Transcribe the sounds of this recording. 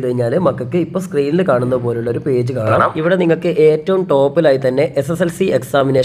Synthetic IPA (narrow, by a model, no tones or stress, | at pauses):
t̪ɐɻiɲːaːlɨmɐkːɐkːɨipːo̞ːskriːnilɨkaːɳunːɐpo̞ːleuɭːɐo̞ɾupe̞ːd͡ʑɨkaːɳaːiʋiɽe̞niŋːɐɭkɨʔe̞ːtːɐʋumʈo̞ːpːilaːjit̪ɐnːe̞ʔeseselsieksaːmineː